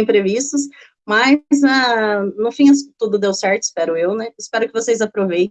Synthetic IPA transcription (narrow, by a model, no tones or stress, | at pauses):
ẽp̪ɾevist̪ɐs | mazanʊfĩɐst̪ud̪ʊd̪ewsɛɾt̪ʊɪspɛɾʊewnɛɪspɛɾʊkɪvosejzapɾovej